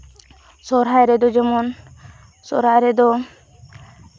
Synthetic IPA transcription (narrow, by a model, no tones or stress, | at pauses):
sɔɾɦajɾɛd̪ɔd͡ʒɛmɔn | sɔ̰ɾajɾɛd̪ɔ